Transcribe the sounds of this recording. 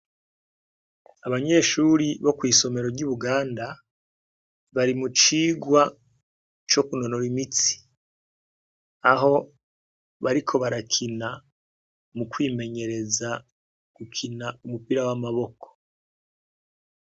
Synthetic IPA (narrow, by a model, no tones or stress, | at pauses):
aβaɲe̞ːʃuɾiβo̞kwiːso̞me̞ɾo̞ɾɟuβuɡaːnda | βaɾimut͡ʃiːɡwa | t͡ʃo̞kuno̞noɾimit͡si̥ | aɦo̞ | βaɾikʰo̞βaɾakʰina | mukwiːme̞ɲe̞ɾe̞za | ɡ̥ukʰinaumupiɾawamaβo̞ko̥